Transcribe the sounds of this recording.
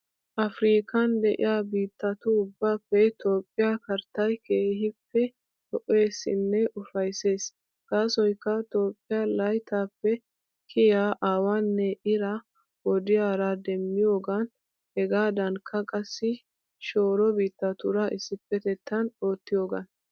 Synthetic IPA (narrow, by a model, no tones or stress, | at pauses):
ʔɐfɾiːkɐnd̪ɛʔɪ̰jaːbiːt̪ːɐt̪ʊʊbːaːpːɛt̪o̞ːpʼːɪjakɐɾt̪ːɐjkʰeːhɪpːɛ | t̪ɔʔe̞ːsɪ̰nːɛʊfɐjse̞ːs | kaːsɔjkːɐt̪o̞ːpʼːɪjalɐjt̪aːpːɛ | kʰɪjaːʔaːwɐnːɛʔɪɾɐ | wɔd̪ɪjaːɾad̪ɛmːɪjo̞ːɡɐn | hɛɡaːd̪ɐnkʰːɐkʼɐsːɪ | ʃo̞ːɾɔbiːt̪ːɐt̪ʊɾɐʔɪsːɪpːɛt̪ɛt̪ʰːɐnoːt̪ːɪjo̞ːɡɐ̰n